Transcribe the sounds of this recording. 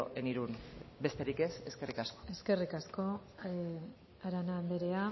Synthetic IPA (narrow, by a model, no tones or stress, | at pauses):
o̰ʔeniɾunbe̞st̪e̞ɾike̞se̞skerikasko̥e̞ske̞rikasko̞ | aɾanaːnd̪eɾe̞a